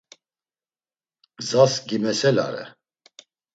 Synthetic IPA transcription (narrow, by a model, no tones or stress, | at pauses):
zasɡimɛsɛla̰ɾɛ̰